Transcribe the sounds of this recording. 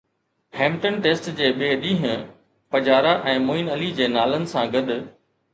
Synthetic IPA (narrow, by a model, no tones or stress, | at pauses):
hẽːmʈənʈeːsʈd͡ʑeːɓeːɗĩːɦɪ̃ | pɐd͡ʑaːɾaʔɛ̃ːmoːɪnɐlid͡ʑeːnaːlənɪ̆sãɡɐd̪ʊ̆